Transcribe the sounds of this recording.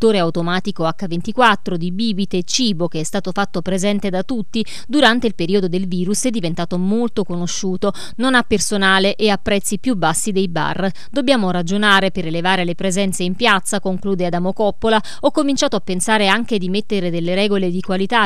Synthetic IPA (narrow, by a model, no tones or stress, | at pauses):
t̪ːoːɾeawt̪omaːt̪ikoakːavent̪ikwat̪ːɾod̪ibiːbit̪et͡ʃiːbok̟eɛst̪aːt̪ofat̪ːopɾezɛnt̪ed̪at̪ut̪ːi | d̪uɾant̪eilpeɾiːod̪od̪elviːɾusɛd̪ːivent̪aːt̪omolt̪okonoʃːuːt̪o | nonapːersonaːleʔeapːɾɛt̪sːipjubːasːid̪ejba̰rː | d̪obːjaːmoɾad͡ʒonaːɾepeɾelevaːɾelepɾezɛnt̪seimpjat̪sakoŋkluːd̪ead̪amokɔpːola | ɔkːomint͡ʃaːt̪oapːensaːɾeaŋk̟ed̪imet̪ːeɾed̪elːeɾɛːɡoled̪ikwalit̪a